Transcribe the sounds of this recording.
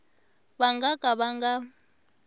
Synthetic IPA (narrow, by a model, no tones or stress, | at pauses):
βaŋɡakʼaβaŋɡa